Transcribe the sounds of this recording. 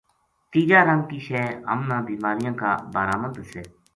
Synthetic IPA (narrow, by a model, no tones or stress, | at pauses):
t̪iːd͡ʒaːɾəŋkiːʃɛːɦə̰mnãːbiːmaːɾɪjãːka̰ːbaːɾaːmənd̪sɛː